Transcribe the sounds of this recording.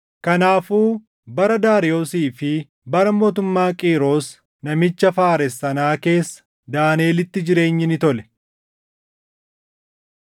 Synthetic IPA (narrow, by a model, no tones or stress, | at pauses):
kɐnaːfuː | bɐɾɐd̪aːɾɪo̞ːsiːfɪ | bɐɾɐmo̞ːt̪̬ʊmːaːkʼiːɾo̞ːs | nɐmɪt͡ʃːɐfaːɾɛsːɐnaːke̞ːsːɐ̥ | d̪aːne̞ːlɪt̪ːɪd͡ʒɪɾe̞ːɲːɪnɪt̪ɔlɛ̥